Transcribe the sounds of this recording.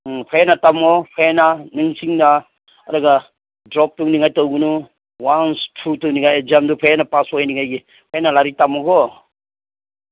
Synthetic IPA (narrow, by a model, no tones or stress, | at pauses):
pʰajanatamɔpʰajananɯŋsiŋna | ɐɾaɡa | dɾɔp̚tɯwniŋajtɔwɡɯnu | wanstʰutɯwniŋajd͡ʒamdupʰajanapasɔajniŋajɡi | pʰajanalaɾitamɔɡɔ